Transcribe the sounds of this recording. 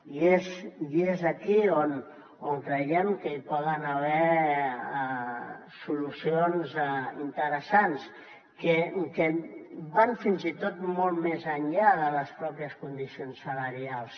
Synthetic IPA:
iezezəkion | oŋkɾəjɛmkəipɔðənəβɛ | sulusionzint̪əɾəsans | kəkəbanfinzit̪ot̪molˠt̪mezəɲʎaðələspɾɔpiəskund̪isionsːələɾialˠs

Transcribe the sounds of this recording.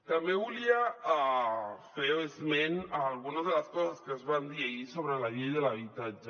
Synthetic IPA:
t̪ambeβuliaafeoezmenaːlɣunazðelaskɔsaskezβand̪iaisoβɾelajejðelaβit̪ad͡ʒa

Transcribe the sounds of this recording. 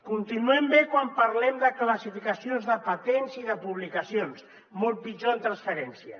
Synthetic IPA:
kunt̪inuɛmbekwampəɾlɛmd̪əkləsifikəsionzðəpət̪enziðəpuβlikəsions | mɔlˠt̪̚pid͡ʒoənt̪ɾansfəɾɛnsiə̰

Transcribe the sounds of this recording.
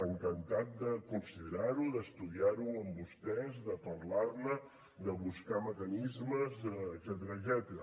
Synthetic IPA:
əŋkənt̪at̪̚d̪əkunsiðəɾaɾuðəst̪uðiaɾuəmbust̪ɛzd̪əpəɾlarnə | d̪əβuskaməkənizməzədzɛt̪əɾəːɡzɛt̪əɾə

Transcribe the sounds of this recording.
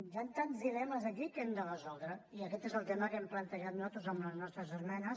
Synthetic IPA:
jant̪anzðilɛməzəkikɛmd̪ərəzɔlˠd̪ɾəiəkɛt̪ezəlˠt̪ɛməkɛmplənt̪əʒat̪nɔt̪uzəmləznɔst̪ɾəzəzmɛnəs

